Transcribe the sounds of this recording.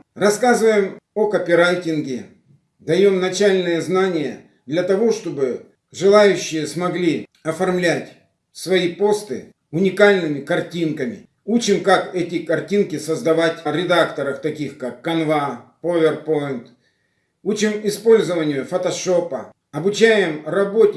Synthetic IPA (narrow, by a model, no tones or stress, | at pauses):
rɐskazɨvəjɪmokɐpʲɪɾajtʲɪnɡʲɪ | d̪ɐjo̞mnɐt͡ɕælʲnɨjəznanʲɪjə̰ | d̪lʲɐt̪ɐvo̞ʂt̪o̞bɨ | ʐɨlˠajʉɕːɪjəsmɐɡlʲiɐfɐrmlʲætʲ | svɐipo̞st̪ɨ | ʊnʲɪkalʲnɨmʲɪkɐrtʲinkəmʲɪ̰ | ut͡ɕɪmkakɛtʲɪkɐrtʲinkʲɪsəzd̪ɐvatʲɾʲɪd̪akt̪əɾəft̪ɐkʲixkakːɐnvapovʲɪrpo̞jɪnt̪ | ut͡ɕɪmɪspo̞lʲzəvənʲɪjʊfɐt̪ɐʂo̞pə | ɐbʊt͡ɕæjɪmrɐbo̞tʲ